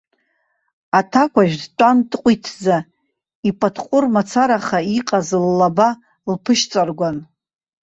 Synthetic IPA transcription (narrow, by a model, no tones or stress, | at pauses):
atʰakʷʰaʒᶣdʈ͡ʂʷʼantʼqʷʼitʰd͡za | ipʼatʰqʷʼʊrmat͡sʰaɾaχaiqʼazlːaba | lpʰɨʃt͡sʼarɡʷan